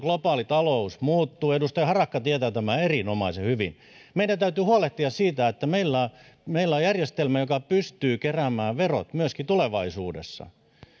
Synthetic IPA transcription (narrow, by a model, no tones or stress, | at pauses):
ɡ̥lopɑːlit̪ɑlousmuːt̪ːuːedust̪ɑjhɑrɑkːɑt̪iet̪æːt̪æmæerinomɑisehyʋḭn | meidænt̪æyt̪yːhuoleht̪iɑssiːt̪æet̪ːæmeilːæ | meilːæojærjest̪elmæjokɑpyst̪yːkeræmæːʋero̰t̪myøskit̪uleʋɑisuːdḛsːɑ̰